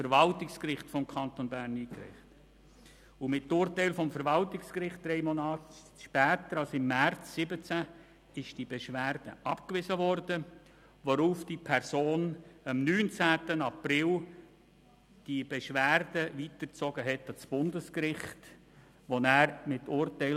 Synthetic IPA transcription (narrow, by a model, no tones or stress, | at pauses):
fəɾvɑltɪkskrɪχtfɔmkʰɑnt̪ɔnbæːɾniːkɾɪ̰χt | ʊmɪtːʊːɾtɛɪlfɔmfəɾvɑltɪkskrɪχt̚d̥ɾɛɪmonɑːt | ʃpæːt̪əɾɑlsɪmːært͡sːɪbət͡sæ | ɪʃd̥ib̥eʃʋæːrd̥ə̰ʔɑpkʋɪsəʋɔɾd̥ə | ʋɔɾuːfd̥ipʰɛɾsoːnɑmnyːnt͡sæːtənɑprɪl | d̥ib̥ɛʃʋæːrdəʋitərt͡sɔɡəɦɛtɑt͡sb̥ʊndəskɾɪχt | ʋɔnæːɾmɪtːʊːrtɛɪl